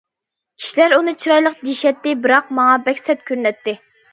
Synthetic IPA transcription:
kʲʰi̥ʃlæɾunɨt͡ʃʰiɾɑjlˠəqd͡ʒiʃɛt̪ːɪbɨɾɑq̚mɑŋɑbɛkʲsɛt̪̚kʲʰøɾnɛt̪ːɪ

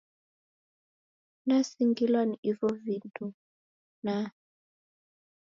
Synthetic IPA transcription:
nasiŋɡilwaniivɔvintu | na

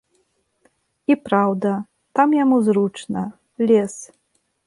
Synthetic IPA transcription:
ipɾawd̪ɐ | t̪amjamuzɾut͡ʂnɐ | lʲes

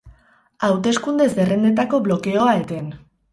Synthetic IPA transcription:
awt̪e̞skund̪e̞zdere̞nd̪e̞t̪ako̞βlo̞ke̞o̞aet̪e̞n

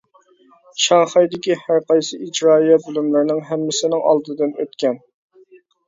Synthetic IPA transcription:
ʃɑŋχɑjd̪ɪkʲihæɾqɑjsɨʔid͡ʒɾɑːijɛt̪̚bylymlɪɾnɪŋɦɛmːɪsɪnɪŋɑ̰lˠd̪ɨd̪ɨnø̰t̪kʲɛn

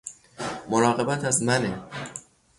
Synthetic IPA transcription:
moɾɒːɣe̞bæt̪ʰæzmæne

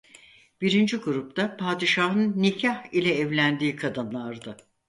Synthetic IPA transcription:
b̥iɾind͡ʒiɡuɾup̚t̪apʰaːd̪iʃaɦɯnːicʰahilʲɛːvlʲænd̪iːkʰad̪ɯnlˠaɾd̪ɯ

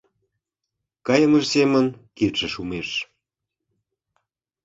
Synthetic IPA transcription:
kɑjəməʒsemənkit̪ʃə̆ʃumeʃ

